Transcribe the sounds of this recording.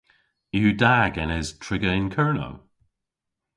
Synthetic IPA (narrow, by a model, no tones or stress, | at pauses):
judaɡɛnɛz̥tʰɹɪɡəɪnkʰɜɹno̰w